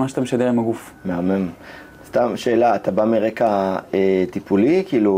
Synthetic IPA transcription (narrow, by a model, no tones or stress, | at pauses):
maʃat̪ameʃad̪e̞ʁimaɡuf | meamem | st̪amʃe̞ːlaːt̪abamiʁekaet̪ipulikiːlu